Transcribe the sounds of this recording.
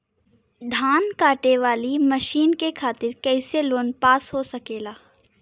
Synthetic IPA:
ɖ̪ʱaːnkaːʈeʋaːlimɐʃiːnkekʰaːt̪ɪɾkɛːseloːnpaːsɦosɐkeːlaː

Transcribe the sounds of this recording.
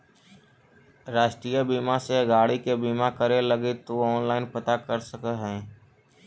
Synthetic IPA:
ɾaːʃʈɾiːjəbiːmaseɡaːɽikebiːmakəɾeləɡet̪oɔːnlaːɪnpət̪akəɾsəkəɦɛ̃ː

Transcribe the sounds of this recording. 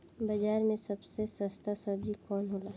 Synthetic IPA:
bɐd͡ʒaːɾmẽsɐbsesəst̪asəɾd͡ʒikɔːnɦoːlaː

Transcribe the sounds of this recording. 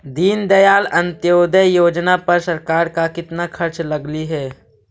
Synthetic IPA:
d̪iːnd̪ɐjaːlɐ̃nt̪joːd̪əjoːd͡ʒnapɐɾsɐɾkaːɾkakɪt̪nakʰɐɾt͡ʃlɐɡliɦɛː

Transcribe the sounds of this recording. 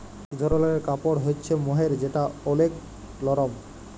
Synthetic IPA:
d̪ʱɔɾoloeɾkapoɽɦotːɕʰemoɦeɾd͡ʑeʈaolek | lɔɾom

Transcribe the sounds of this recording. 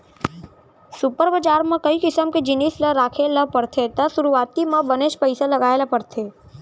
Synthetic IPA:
sʊpəɾbəd͡ʒaːɾmãkɐikɪsəmked͡ʒɪniːsləɾaːkʰeləpɐɾt̪ʰet̪ɐsʊɾuaːt̪imãbɐneːʃpəɪsalɐɡaːelapɐɾt̪ʰeː

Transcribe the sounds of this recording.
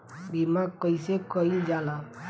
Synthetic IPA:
bimakəjsekəild͡ʒala

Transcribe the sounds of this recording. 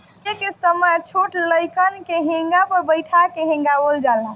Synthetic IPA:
t͡ʃekesəməjt͡ʃʰoʈləjkənkeɦẽŋɡapəɾbəjʈʰakeɦĩŋɡabold͡ʒalã

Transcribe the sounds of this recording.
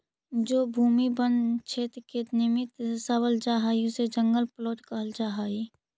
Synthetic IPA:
d͡ʒoːbʱuːmibənt͡ʃʰet̪ket̪nɪmɪt̪səbəld͡ʒaːɦaːiʊsed͡ʒəŋɡəlpəlɔːt̪kəɦəld͡ʒaːɦaːi

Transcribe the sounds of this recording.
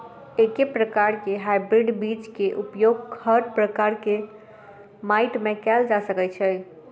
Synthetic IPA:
ekepɾəkaɾkeɦajbɾiɖbit͡ʃkeʔupjoɡkʰəʈpɾəkaɾke | majʈmekɛld͡ʒasəkɛt͡ʃʰɛj

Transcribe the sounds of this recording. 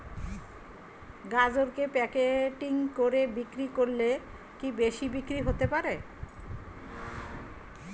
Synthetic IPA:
ɡad͡ʑoɾkepɛkeʈiŋkoɾebikɾikoɾle | kibeʃibikɾiɦot̪epaɾe

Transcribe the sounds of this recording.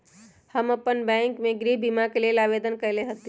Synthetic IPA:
həməpːənbɛ̃ːŋkmẽɡɾiɦbimakelelaːʋeːd̪ənkəɾleɦət̪

